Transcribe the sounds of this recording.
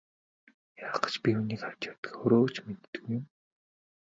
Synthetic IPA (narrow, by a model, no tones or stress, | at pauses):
jaːqə̥̆t͡ɕpʲixuniːkawʲt͡ɕat̪ə̥̆kxɵɾoːt͡ɕmet̪ːɘ̥̆ɣujɪ̆m